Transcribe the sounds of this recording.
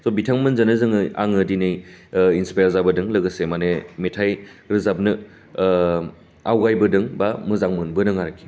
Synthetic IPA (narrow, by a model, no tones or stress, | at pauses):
sɔbitʰaŋmɯnzɐnɯzɯŋɯa̰ŋɯdinɯjinspajɾzabɐdɯŋlɐɡɐsemanemetʰajɾɯzap̚nɯ | awɡajbɐdɯŋbamɯzaŋmɯnbɯnɯŋaɾɐkʰːi̥